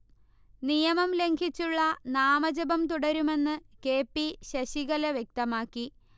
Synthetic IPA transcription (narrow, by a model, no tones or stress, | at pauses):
nijɐmɐmle̞ŋɡʱit͡ɕːuɭːɐnaːmɐd͡ʑɐbɐmt̪uɽɐɾume̞nːɨke̞ːpːiɕɐɕiɣɐleʋjek̚t̪ɐmaːkːi